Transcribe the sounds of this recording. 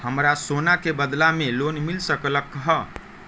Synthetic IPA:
həmɾasonakebəd̪lamelonmilsəkləkːɦə

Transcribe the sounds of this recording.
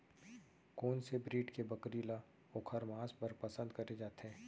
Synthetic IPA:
koːnsebɾiːʈkebɐkɾiːla | oːkʰəɾmaːspɐɾpɐsə̃nd̪kɐɾed͡ʒaːt̪eɦɛ̃ː

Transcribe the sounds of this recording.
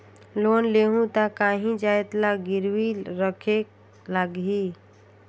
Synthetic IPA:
lonleɦũt̪akaɦĩd͡ʒaet̪laɡiɾwiɾəkʰek | laɡɦi

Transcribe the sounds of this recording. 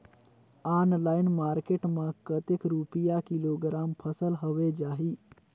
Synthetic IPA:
aːnlaːɪnmaːɾkeʈmãkət̪ekɾupijakiloɡɾaːmpʰəsəlɦəʋed͡ʒaːɦi

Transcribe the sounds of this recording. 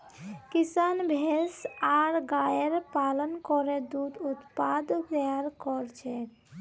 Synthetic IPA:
kisanbʱesaɾɡajeɾpalɔnkɔɾed̪ud̪ut̪pad̪d̪ɛaɾkɔɾt͡ʃʰɛ

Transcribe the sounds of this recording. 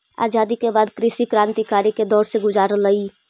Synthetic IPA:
a̰ːzaːd̪ikebaːd̪kɾɪʃikɾãːnt̪ikaːɾiked̪ɔːɾseɡʊzaːɾləiː

